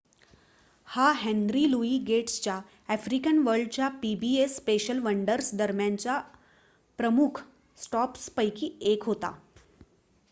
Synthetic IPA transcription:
haɦɛ̃nɾiluiɡeʈst͡ɕja | ɛfɾikənʋəɾɖ̚t͡ɕjapibiespeɕəlʋəɳɖəɾsd̪əɾmjaɲt͡ɕa | pɾəmukʰ | sʈɔpspəjkiːekɦot̪a̰

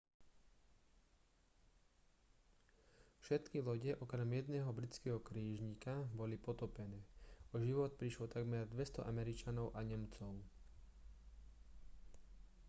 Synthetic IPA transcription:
fʃɛt̪kilɔɟɛʔɔkɾɛmjɛd̪nɛːɦɔbɾit͡skɛːɦɔkɾiːʒɲikabɔlipɔt̪ɔpɛnɛːɔʒiʋɔt̪̚pɾiʃlɔt̪aɡmɛɾd̪ʋɛst̪ɔʔamɛɾit͡ʃanɔʊʔaɲɛmt͡sɔʊ

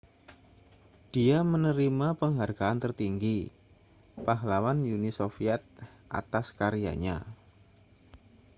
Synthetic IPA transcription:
d̥iamənəɾimapəŋɦarɡaant̪ərt̪iŋɡi | paɦlawanjunisofiɛt̪̚ | ʔa̰t̪askaɾia̰ɲa̰

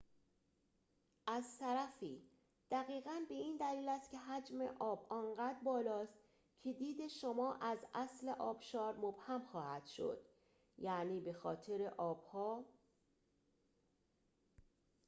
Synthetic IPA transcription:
ʔæzt̪ʰæɾæfiː | d̪̥æɣiːɣænbe̞iːnd̪æliːlæst̪̚cʰe̞ɦæd͡ʒmḛʔɒːbɒːnɢæd̪bɒːlɒːst̪ | cʰe̞d̪iːd̪e̞ʃomɒːʔæzæsle̞ʔɒːb̥ʃɒːɾmob̥hæmxɒːhæd̪̥ʃo̞̰d̪̥ | jæːniːbe̞xɒːt̪ʰeɾe̞ʔɒːb̥hɒː

